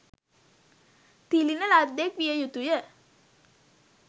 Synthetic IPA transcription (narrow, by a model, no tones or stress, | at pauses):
t̪ilinəlad̪ːekʋijəjut̪ujə